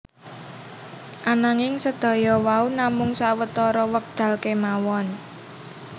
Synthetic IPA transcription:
ʔanaŋɪŋsəd̪̥ɔ̤jɔwaunamʊŋsawət̪ɔɾɔwək̚d̪̥a̤lkemawɔn

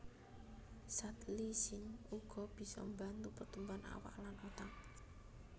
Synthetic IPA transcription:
sat̪lisɪnuɡ̥ɔ̤b̥i̤sɔ̰mbant̪upərt̪umbana̰wa̰ʔlanot̪aŋ̚

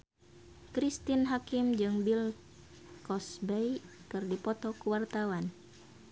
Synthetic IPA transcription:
kɾist̪inɦakimd͡ʒɨŋbil | kɔsbɛjkɨrdipɔt̪ɔkuwart̪awan

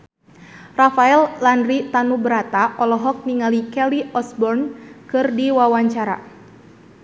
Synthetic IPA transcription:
rafaɛllandrit̪anubəɾat̪aʔɔlɔɦɔk̚niŋalikɛliɔsbɔrnkɨrdiwawaɲt͡ʃaɾa̰

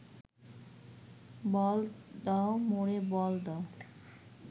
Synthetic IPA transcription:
bɔld̪aomoɽebɔld̪a

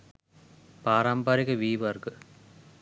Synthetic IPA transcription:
paːraːmbaːɾiɣɐʋiːʋɐrɡɨ

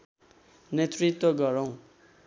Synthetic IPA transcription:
net̪rit̪wʌɡʌɾʌw̃

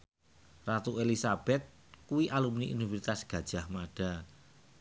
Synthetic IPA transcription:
rat̪uelisab̥ɛt̪̚ | kuwiʔalumniʔḭnifiɾit̪asɡ̥ä̤d̥ʒ̥a̤hmaɖ̥a̤

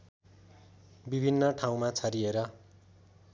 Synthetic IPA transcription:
bibʱinːʌʈʰaw̃mat͡sʰʌɾieɾʌ

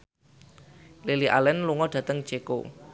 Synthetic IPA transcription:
leliʔa̰lɛnluŋɔɖ̥ä̤t̪əŋd̥ʒ̥eko̰

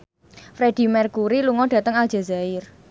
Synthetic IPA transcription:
fɾed̥i̤mɛrkuɾiluŋɔɖ̥ä̤t̪əŋald͡ʒ̥a̤zaɪr

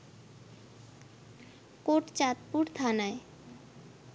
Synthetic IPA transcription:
koʈt͡ɕat̪puɾt̪ʰanae

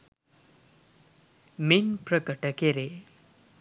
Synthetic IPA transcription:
minpɾəkəʈəkeɾe

